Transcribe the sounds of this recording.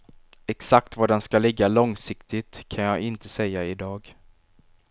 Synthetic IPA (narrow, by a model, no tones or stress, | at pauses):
ɛksak̚t̪vaɖɛnskalɪɡːalɔŋsɪkt̪ɪt̪kʰanjɑːɡɪnt̪əsɛjːaɪd̪ɑːɡ